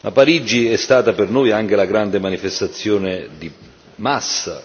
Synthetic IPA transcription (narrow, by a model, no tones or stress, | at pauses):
mapaɾid͡ʒːiɛst̪aːt̪apernojaŋk̟elaɡɾand̪emanifest̪at̪sːjoːned̪i | masːa